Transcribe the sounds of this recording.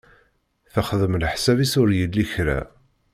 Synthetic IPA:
θəχðˤəmlħsævisʊɾjəlːiçɾæ̰

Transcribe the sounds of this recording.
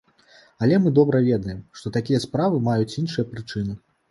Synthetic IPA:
ɐlʲɛmɨd̪ɔbɾɐvʲɛd̪ɐjɛmʂt̪ɔt̪akʲijɐspɾavɨmajut͡sʲinʂɨjɐpɾɨt͡ʂɨnɨ

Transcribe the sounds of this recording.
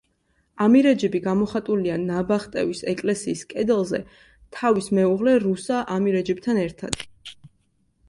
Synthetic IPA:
amiɾɛd͡ʒɛbiɡamɔχat̪ʼulianabaχt̪ʼɛvisɛkʼlɛsiːskʼɛd̪ɛlˠzɛ | t̪ʰavismɛuʁlɛɾusaʔamiɾɛd͡ʒɛb̚t̪ʰanɛɾt̪ʰa̰d̪̥

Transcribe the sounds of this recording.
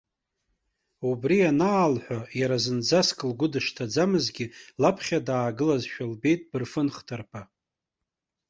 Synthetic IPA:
ubrianaːlħʷᶣajaɾazɨnd͡zaskʼɨlɡʷʊdɨʃtʰad͡zamɨzɡʲilapʰχʲadaːɡɨlazʃᶣalbe̞jtʼb̥ɨrfɨnχtʰarpʰa

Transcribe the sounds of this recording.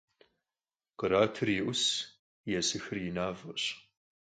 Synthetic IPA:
qəɾaːtʰɨrjɪʔʷʊs | jɛsɨxɨrjɪnaːvɐɕ

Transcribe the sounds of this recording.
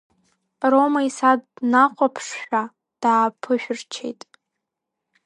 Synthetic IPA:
romaisadnaqʷʼapʰʂʃʷᶣa | d̥aːpʰɨʃᶣrt͡ʃʰḛjtʼ

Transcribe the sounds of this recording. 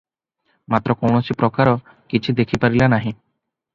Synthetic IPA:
mat̪ɾɔkɔwɳɔt͡ʃʰipɾɔkaɾɔ | kit͡ʃʰid̪ekʰipaɾilanaɦĩ

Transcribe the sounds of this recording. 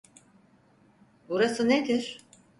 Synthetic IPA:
buɾasɯned̪iɾ̥

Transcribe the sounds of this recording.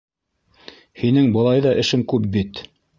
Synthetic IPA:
hinɘŋbɤ̆lˠɑjðɑʔɘ̆ʃɘŋkʉp̚bit̪

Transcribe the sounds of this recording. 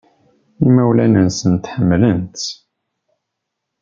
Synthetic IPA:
imæwlænənsənt̪ħəmːlənt̪

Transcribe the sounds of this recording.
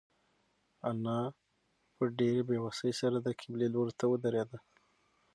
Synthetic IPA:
anɑ | pəɖeɾebewasəjsaɾad̪əkʰɪbleloɾot̪awəd̪aɾed̪a

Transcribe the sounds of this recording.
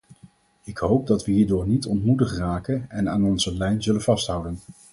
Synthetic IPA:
ɪkɦowp̚dɑtʋəɦiːɹdʊːɹnitɔntmutəχraːkənɛnaːnɔnzəlɛjnzɵlənvɑstɦʌwdən

